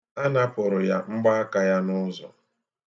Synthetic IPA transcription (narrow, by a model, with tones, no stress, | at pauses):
a˦na˦pʊ˨ɾʊ˨ja˦ŋ͡m̩˦ɡ͡ba˦a˦ka˦ja˦nʊ˦zɔ̰˨